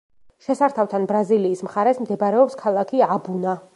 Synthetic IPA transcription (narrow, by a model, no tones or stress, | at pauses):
ʃɛsaɾt̪ʰaft̪ʰanbɾaziliːsmχaɾɛsmd̪ɛbaɾɛɔpskʰalˠakʰiabuna